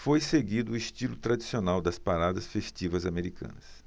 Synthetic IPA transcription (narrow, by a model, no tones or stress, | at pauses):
fojseɡid̪ʊiʃt͡ʃilʊt̪ɾad͡ʒisionawd̪ɐspaɾad̪ɐsfeʃt͡ʃivɐzameɾikʰɐ̰̃nɐs